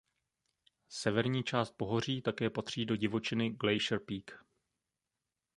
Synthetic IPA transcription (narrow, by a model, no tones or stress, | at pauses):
sɛvɛɾɲiːt͡ʃaːst̪̚po̞ɦo̞r̝iːt̪akɛːpat̪r̝̥iːdo̞ɟɪvo̞t͡ʃɪnɪɡlɛjʃɾpiːk